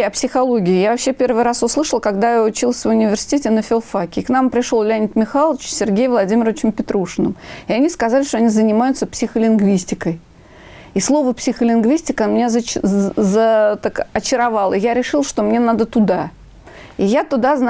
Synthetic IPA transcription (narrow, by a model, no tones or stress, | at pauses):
ɐpsʲɪxɐlˠoɡʲɪːjavɐpɕːepʲe̞rvɨjɾasʊslˠɨʂəlˠkɐɡd̪ajaʊt͡ɕilˠsʲvʊnʲɪvʲɪrsʲɪ̥tʲetʲɪnəfʲɪlˠfakʲɪːkn̪ampɾʲɪʂolˠlʲænʲɪt̪mʲɪxalˠəvt͡ɕsʲɪrɡʲejvlˠɐdʲimʲɪɾəvʲɪt͡ɕɪmpʲɪt̪ɾuʂɨnəmɪɐnʲiskɐzalʲɪʂt̪oɐnʲizənʲɪmajʊt̪səpsʲɪxəlʲɪnɡvʲisʲtʲɪkəj | islˠo̞vəpsʲɪxəlʲɪnɡvʲisʲtʲɪknmʲɪnʲaz | zət̪akɐt͡ɕɪɾɐvalˠəjaɾʲɪʂɨlˠʂt̪o̞mnʲenad̪ət̪ʊd̪a | ɪjat̪ʊd̪azn